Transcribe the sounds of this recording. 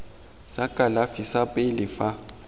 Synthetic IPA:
sakʼalafisapʼɪlɪfa

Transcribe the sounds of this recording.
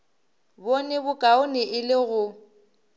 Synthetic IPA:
bonɪbʊkʼaʊnɪʔɪlɪɣʊ

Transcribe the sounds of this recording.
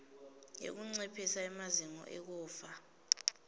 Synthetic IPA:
jḛk̬uŋ͡ǀɛpʰisaɛmaziŋɔ̰ʔɛk̬uːfa

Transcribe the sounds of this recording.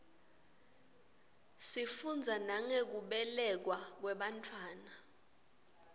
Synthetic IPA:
sifund͡zʱanaŋek̬uɓɛlɛk̬wak̬wɛɓantʰwaːna

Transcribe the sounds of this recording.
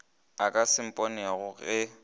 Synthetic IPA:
akʼasɪm̩pʼɔnɛɣʊɣɛ

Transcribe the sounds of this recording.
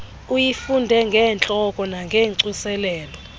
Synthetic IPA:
ujifundʱɛŋɡʱɛːnt͡ɬʼɔkʼɔnaŋɡʱeːǀisɛlɛːlɔ

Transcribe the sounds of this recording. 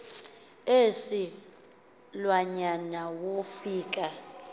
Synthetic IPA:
esi | lwaɲanawofiːkʼa

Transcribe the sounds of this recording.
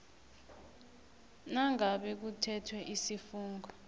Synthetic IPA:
naŋaɓɛk̬utʰɛtʰwɛʔisifuːŋɡɔ

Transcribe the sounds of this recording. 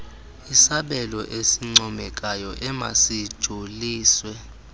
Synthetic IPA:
isaɓɛlɔʔesiŋ͡ǀɔmɛk̬ʼajɔʔɛma̰sid̥ʒ̥ʱoliːswɛ

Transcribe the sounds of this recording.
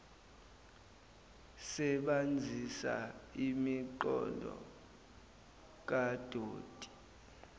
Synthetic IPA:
sɛɓand͡zʱisa̰imiǃɔndʱɔ̰ | k̬ad̥ʱoːd̥ʱi̥

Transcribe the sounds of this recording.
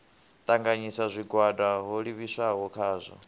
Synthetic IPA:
t̪ʼaŋɡaɲisazʷiɡwadaɦoɺiβisaɦɔkʰaːzʷɔ̰

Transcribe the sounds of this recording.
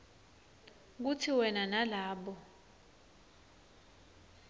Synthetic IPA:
k̬utʰiwɛnanalaːɓɔ

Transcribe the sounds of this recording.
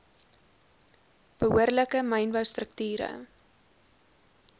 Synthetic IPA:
b̥əɦuərləkəmɐjnbəwstrək̚tyːɾə̰

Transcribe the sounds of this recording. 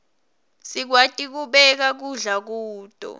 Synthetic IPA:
sik̬watʼik̬uɓɛk̬ak̬uɮak̬uːtʼɔ̰

